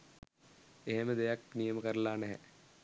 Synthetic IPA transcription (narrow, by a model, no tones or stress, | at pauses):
eɦeməd̪ejaknijəməkəɾlaːnɛɦɛ̰